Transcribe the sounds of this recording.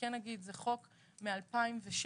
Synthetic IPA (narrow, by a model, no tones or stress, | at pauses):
enaɡid̪zeχo̞k | mealpaimveʃ